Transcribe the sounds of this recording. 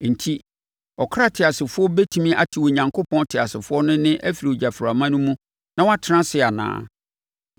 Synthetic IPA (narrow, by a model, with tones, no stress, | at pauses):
n̩˨tʰi˦ | ɔ˨kʰa˦tʰɪ˨a˨sɪ˨fʊ˦ɔ˦be˦tʰũ˦mĩ˦ʔa̰˨tʰi˨wo˨ɲã˨ŋkʰo˦pʰɔ̃˦ntʰɪ˨a˨sɪ˨fʊ˦ɔ˦nʊ̃˦nɪ̃˦ʔæ˦fi˨ɾi˨o˨d͡ʑa˨fɾa˨mã˦nʊ̃˦mũ˦ | nã˦wa˦tʰɪ˨˦ã˦sɪ˦a˨nã̰ː˨˦